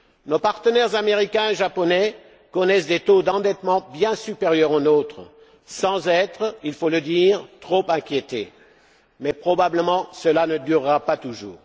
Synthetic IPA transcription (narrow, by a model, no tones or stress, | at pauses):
nopaʁt̪ənɛʁzameʁikʲɛ̃eʒapɔnɛ | kɔnɛsd̪et̪od̪ɑ̃d̪ɛt̪mɑ̃bjɛ̃sypeʁjœʁonot̪χə | sɑ̃zɛt̪χilfoləd̪iʁt̪χopɛ̃kʲjet̪ḛ | mɛpχɔbabləmɑ̃səlanəd̪yʁːapat̪uʒṵːʁ